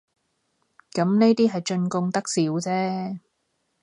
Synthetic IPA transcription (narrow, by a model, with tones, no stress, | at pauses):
kɐ˨˥mne˥t̪iː˥ɦɐ˨jt͡ʃɵ˧nkʊ˧ŋt̪ɐ˥k̚siː˨˥wt͡sɛː˥